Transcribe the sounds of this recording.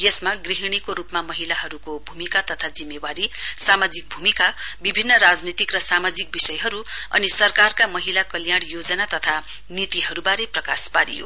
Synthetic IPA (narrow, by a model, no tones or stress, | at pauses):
jesmaɡriɦiɽ̃ikoɾupmamʌɦilaɦʌɾukobʱumikat̪ʌt̪ʰad͡zimːewaɾisamad͡zik̚bʱumikabibʱinːʌɾad͡znit̪ikrʌsamad͡zik̚bisʌjɦʌɾuʌ̰nisʌrkarkamʌɦilakʌljaɽ̃jod͡zʌnat̪ʌt̪ʰa | nit̪iɦʌɾubaɾeprʌkaspaɾḭjo̰